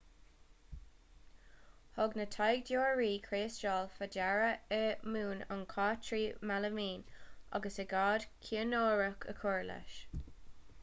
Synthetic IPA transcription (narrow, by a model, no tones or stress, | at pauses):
hɔɡnətʰajɡ̚djoːɹɹiːkʰɹeːst͡ʃɑːlfad͡ʒaɹəəmuːna̰nkʰaːtɹiːmaləmiːnʔa̰ɡəsəɡaːd̥kʲʰiənoːɹəkʰə̰kʰɔɹlə̰ʃ